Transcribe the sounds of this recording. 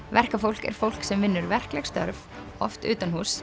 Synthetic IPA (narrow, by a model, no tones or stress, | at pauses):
vɛr̥kafowl̥kɛ̰ɾ̥fowl̥ksɛmvɪnːʏɾvɛr̥klɛɣst̪œ̰ɾv | ɔft̪ʏ̰ːt̪anhuːs